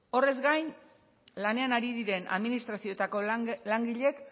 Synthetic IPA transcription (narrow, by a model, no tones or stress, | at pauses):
o̞re̞zɡajn | lane̞anaɾiðiɾe̞nʔa̰ðminist̪ɾasio̞et̪ako̞laŋɡiʎe̞k